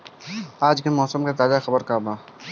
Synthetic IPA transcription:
aːd͡ʒkemɔːsəmkat̪aːzaxɐbəɾkaːbaː

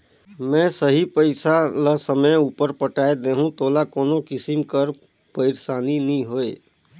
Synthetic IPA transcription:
mɛ̃səɦipəɪsaləsəməjuːpəɾpəʈaed̪eːɦũt̪oːlakoːnokɪsimkəɾ | pəɪɾsaːninĩɦoe

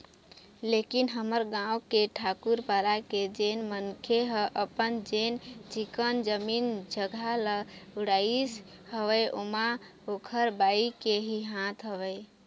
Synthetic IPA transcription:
lekinɦəməɾɡãũkeʈʰakuɾpalaked͡ʒenmənkʰeɦəʔəpənd͡ʒent͡ʃikənd͡ʒəmind͡ʒəɡʱaləuɽais | həʋəjʔoma | okʰəɾbaikeɦiɦãt̪ɦəʋəj

